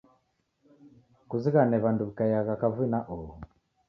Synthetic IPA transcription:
kuziɣanɛβanduβikajaɣakavuinaʔɔɔ

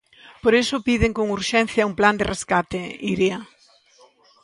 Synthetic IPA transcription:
poɾesʊpiðɪŋkoŋuɾʃɛn̟θjɐumpland̪ɪreskat̪eiɾia

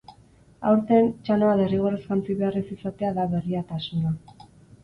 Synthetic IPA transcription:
a̰wɾt̪ent͡ʃano̞aðeriɣ̞o̞reskant͡siβe̞arisisat̪e̞aðaβe̞riat̪asuna

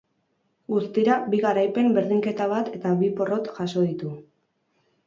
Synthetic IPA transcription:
ɡust̪iɾabiɣaɾajpe̞mbe̞ɾðiŋke̞t̪aβ̞at̪e̞t̪aβipo̞ro̞t̪ʝaso̞ð̞it̪u

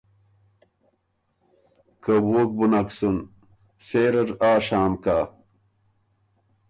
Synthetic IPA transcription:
kɐboːk̚bunaksun | seːɾɐɾaːʂaːmkaː

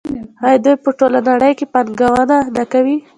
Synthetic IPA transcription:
hajd̪ujpəʈolanaɽəjkepanɡawananakawi

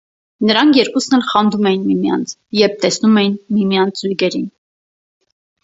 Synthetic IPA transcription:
nəɾɑŋkʰjɛɾkusnɛlχɑnd̪umɛjinmimjɑ̰nt͡sʰjɛɾp̚t̪ɛsnumɛjinmimjɑnt͡sʰd͡zujɡɛɾin

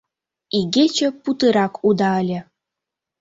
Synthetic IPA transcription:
iɡet͡ɕə̆put̪ɨɾɑkʰud̪ɑəlʲĕ

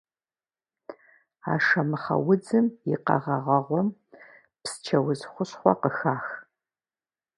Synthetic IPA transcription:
a̰ːʂɐmɨχɐ̰wʊd͡zɨmjɪqɐ̰ʁɐʁɐʁʷɔm | pst͡ʃʰɐwʊzχʷʊɕχʷɔqəxaːx

